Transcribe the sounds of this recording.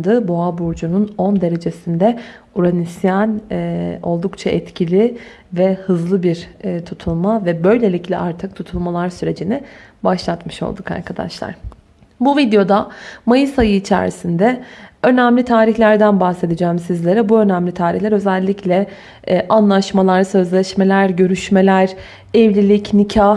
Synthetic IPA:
d̪ɯboabuɾd͡ʒununo̞nd̪e̞ɾe̞d͡ʒe̞sind̪ɛ | uɾanisjano̞̰lˠd̪ukt͡ʃʰaʔɛt̪cʰilʲi | vɛhɯzlˠɯbiɾt̪ʰut̪ʰulˠmavɛbø̞jlʲe̞lʲiclʲɛʔaɾt̪ʰɯk̚t̪ʰut̪ʰulˠmalˠaɾsyɾe̞d͡ʒinɛbaʃlˠat̪mɯʃo̞̰lˠd̪uka̰ɾkʰad̪a̰ʃlˠa̰ɾ̥ | buvid̪ejo̞d̪amajɯsajɯːt͡ʃʰæ̰ːɾ̰sind̪ɛø̞næmlʲit̪ʰaːɾiçlʲæɾd̪ænbahse̞d̪id͡ʒɛːmsizlʲe̞ɾɛbuø̞næmlʲit̪ʰaːɾiçlʲɛɾø̞zælʲːiclʲɛ | ʔanlˠaʃmalˠaɾsø̞zlʲɛʃme̞lʲæɾɟø̞ɾyʃme̞lʲæɾ̥ | ɛvlʲilʲicnicʰa

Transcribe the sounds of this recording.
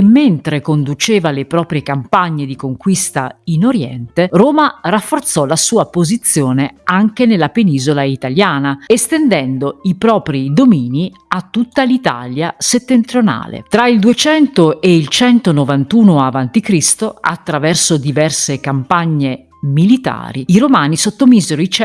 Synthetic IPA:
mːent̪ɾekond̪ut͡ʃeːvalepɾɔːpɾjekampaɲːed̪ikoŋkwist̪a̰inoɾjɛ̰nt̪eroːmarafːort̪sɔlasuːapozit̪sːjoːneaŋk̟enelːapeniːzolait̪aljaːnaest̪end̪ɛnd̪oipɾɔːpɾid̪omiːni | at̪ːut̪ːalit̪a̰ːljaset̪ːent̪ɾiona̰ːlḛt̪ɾaild̪uet͡ʃɛnt̪oeilt͡ʃɛnt̪onovant̪uːnoavant̪ikɾist̪oa̰t̪ːɾavɛrsod̪ivɛrsekampaɲːe | milit̪a̰ːɾiiɾomaːnisot̪ːomiːzeɾoit͡ʃ

